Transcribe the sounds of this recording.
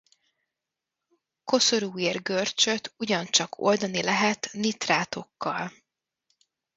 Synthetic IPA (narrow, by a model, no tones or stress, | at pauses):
ko̞soɾuːirɡørt͡ʃø̞t̪uɟɒnt͡ʃɒkʰo̞̰ld̪ɒnilɛɦɛt̪nit̪raːt̪o̞kːɒl